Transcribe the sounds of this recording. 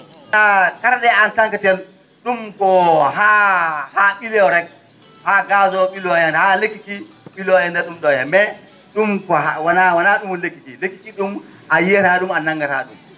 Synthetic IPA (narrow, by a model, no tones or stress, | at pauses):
akaɾɗɛantaŋkatɛn | ɗumkɔɦahaɓilɛɾɛk̚ | haɡazɔɓilɔjɛnhalekːiki | ɓilɔjɛndɛɗumɗɔjɛmɛ | ɗumkɔhawanawanaɗumunlekːikilekːi̥kiɗumʔajiɾaɗumanaŋɡaɾa̰ɗum